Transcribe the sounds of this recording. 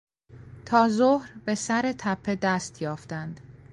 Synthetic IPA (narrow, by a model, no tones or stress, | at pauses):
t̪ʰɒːzohɾbe̞sæɾe̞t̪ʰæpʰːe̞d̪æːst̪ʰjɒːft̪ænd̪̥